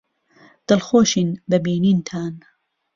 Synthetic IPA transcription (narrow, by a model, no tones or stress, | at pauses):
d̪̥ɨlxoːʃiːnbɐbiːniːnt̪ʰaːn